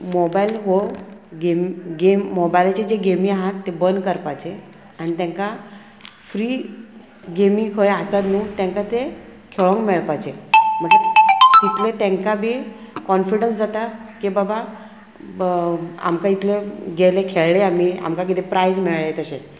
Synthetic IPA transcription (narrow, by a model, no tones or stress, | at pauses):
mobajlɦoɡemɡemːobajlt͡ɕed͡ʑeɡemĩaɦat̪ːebənkəɾpajt͡ɕe | añit̪ɛ̃ŋka | fɾiː | ɡemiŋkʰojasad̪nuːt̪ɛ̃ŋkat̪e | kʰeɭõŋkmeɭpajt͡ɕem̤əɳeit̪let̪ɛ̃ŋkabʱiː | kɔnfiɽənsd͡zat̪akibaba | a̰mkait̪leɡelekʰeɭleamia̰mkak̬it̪epɾajd͡zmeɭɭet̪əɕe